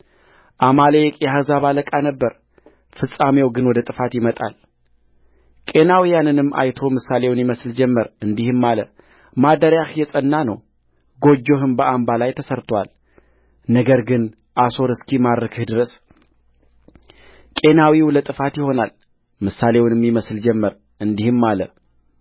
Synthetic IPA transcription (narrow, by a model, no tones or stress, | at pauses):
ʔamalejɛkʼjɛhazaβaləkʼanəbːəɾ | fɨsʼamewɡɨnwɔd̪ət̪ʼɨfat̪jɪmət̪ʼa̰l | kʼe̞nawijanɨnɨmːʔa̰jt̪ʰo̞mɨsale̞wnjɪməsld͡ʒɛmːəɾɨnd̪ihɨmːalə | mad̪əɾjahjɛsʼənːanə̰w | ɡo̞d͡ʒːo̞ɦɨmbəʔambalajt̪ʰəsəɾt̪ʰwa̰l | nəɡəɾɡɨn | ʔaso̞ɾɨskʰimaɾɾəkʰɨhd̪ɨɾəs | kʼe̞nawiwlət̪ʼɨfat̪jɪho̞nal | mɨsːale̞wnmːiməsld͡ʒɛmːəɾ | ʔɨnd̪ihɨmːalə̰